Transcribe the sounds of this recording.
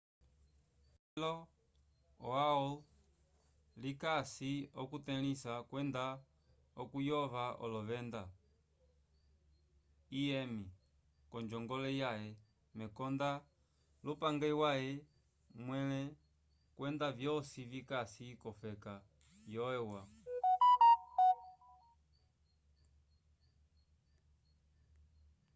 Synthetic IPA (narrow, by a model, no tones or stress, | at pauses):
llɔ | ɔaɔ | likasiɔkutɛlisakwɛnda | ɔkujɔβaʔɔ̰lɔβɛnda | iɛmi | kɔɲd͡ʒɔŋɡɔlɛjaɛ | mɛkɔnda | lupaŋɡɛwaɛ | mwɛlɛ | kwɛndavjɔsivikasikɔfɛka | jɔɛwa